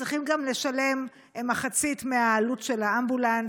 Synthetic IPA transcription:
ʁiχimɡamle̞ʃale̞m | emaχat͡sitmeaːlutʃe̞laambulan

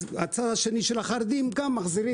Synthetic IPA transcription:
at͡sad̪aʃe̞niʃelhaχaɾd̪imɡamːaχziɾi

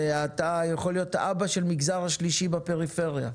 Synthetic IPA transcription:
at̪ajaχo̞lijo̞t̪aʔabaʃelmiɡzaʁhaʃliʃibape̞ʁife̞ʁja̰

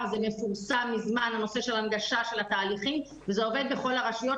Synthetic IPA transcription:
zeme̞fuʁsamːizmanano̞se̞ʃe̞lanɡaʃaʃe̞lat̪aːliχim | vezeo̞ve̞d̪̚beχo̞laʁaʃujo̞

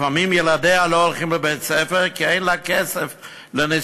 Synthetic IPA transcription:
famimjeladealoolˠχimləbett͡sɛfeʁkiejnlakesef | lənɪ

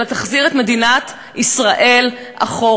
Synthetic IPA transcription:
let̪aχziʁet̪me̞dinat̪ | isʁaʔe̞l | ʔa̰χo

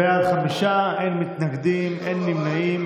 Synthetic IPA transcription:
ejad̪χamiʃaʔenmit̪naɡd̪imʔenːimnaʔim

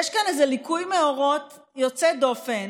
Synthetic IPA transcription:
jɛʃkanezelikujmeoʁo̞t | jot͡sedo̞fen

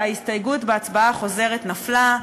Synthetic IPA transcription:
aistajɡutbeat͡sbaaχo̞ze̞ʁetnafla

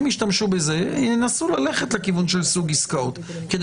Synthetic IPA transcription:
miʃt̪amʃubeze̞enasulale̞χet̪lekivunʃelsuɡiskaot̪ | ked̪

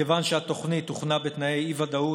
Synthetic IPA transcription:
evanʃeat̪o̞χnit̪uχnabet̪najejivad̪au

